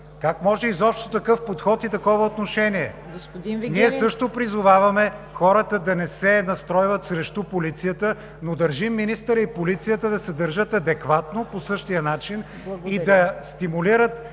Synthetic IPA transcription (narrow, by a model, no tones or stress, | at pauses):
kakmɔʒɛizɔpʃt̪ot̪ɐkɤfpot̪xɔt̪it̪ɐkɔvəot̪noʃɛniɛ | ɡ̪niɛsɤʃt̪opɾizʊvavɐmɛ | xɔɾət̪əd̪ɐnɛsɛnɐst̪ɾɔjvɐt̪sɾɛʃt̪upolit̪sijət̪ə | nod̪ɐɾʒimːinist̪əɾəipolit̪sijət̪əd̪ɐsɛd̪əɾʒət̪ɐd̪ɛkvat̪noposɤʃt̪ijənat͡ʃin | id̪ɐst̪imuliɾət̪